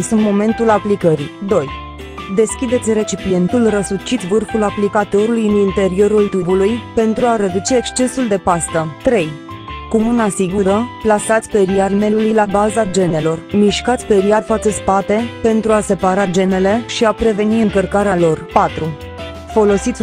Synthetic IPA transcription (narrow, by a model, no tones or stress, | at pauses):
sunt̪mo̞me̞nt̪ulaplikəɾid̪o̞j | d̪e̞skʲid̪e̞t̪sʲre̞t͡ʃipie̞nt̪ulrəsut͡ʃit̪vɨrfulaplikat̪o̞ɾulujɨnint̪e̞ɾio̞ɾult̪ubulujpe̞nt̪ɾuaɾe̞d̪ut͡ʃe̞ːkst͡ʃe̞suld̪e̞past̪ət̪ɾe̞j | kumunasiɡuɾəplasat̪sʲpe̞ɾiarme̞lulujlabazad͡ʒe̞ne̞lo̞rmiʃkat̪sʲpe̞ɾiat̪fat̪səspat̪e̞pe̞nt̪ɾuase̞paɾad͡ʒe̞ne̞le̞ʃiapɾe̞ve̞niɨŋkərkaɾealo̞rpat̪ɾu | fo̞lo̞sit̪sʲ